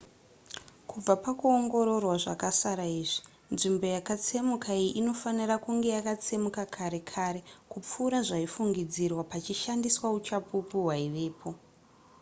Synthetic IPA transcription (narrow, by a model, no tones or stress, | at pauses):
kub͡vapakuoŋɡo̞ɾo̞rwaʐakasaɾaiːʐi | nʐimbo̞jakat͡se̞mukaijiʔino̞fanirakuŋɡe̞jakat͡se̞mukakʰaɾe̞kʰaɾe̞kup͡fuːɾaʐaifuŋɡid͡zirwapat͡ʃiʃandiswaut͡ʃapupuɦwaiʋe̞ːpʰo